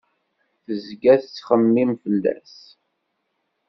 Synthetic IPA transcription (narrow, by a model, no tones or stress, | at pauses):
θəzɡæθt͡sːχəmːimfəlːæ̰s